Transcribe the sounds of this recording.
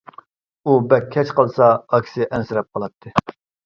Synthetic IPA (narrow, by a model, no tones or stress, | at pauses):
ubɛkʲʰːɛt͡ʃqəlˠsɑːkʲʰsɪʔɛnsɪɾɛp̚qʰəlˠɑt̪ʰːɨ